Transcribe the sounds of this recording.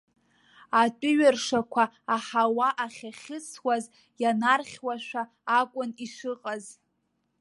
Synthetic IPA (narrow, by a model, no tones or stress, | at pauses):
atʼʊɥarʂakʷʰaːħawaʔaχʲaχʲɪt͡sʰwaz | janarχʲwaʃʷᶣaː | kʷʼʊniʂɨqʼaz